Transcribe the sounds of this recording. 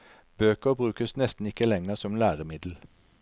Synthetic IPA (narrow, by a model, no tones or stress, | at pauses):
b̥øːkəʁbʁʉːkəsnɛst̪n̩ɪkəlɛŋəʁsɔmlæːʁəmɪd̪l̩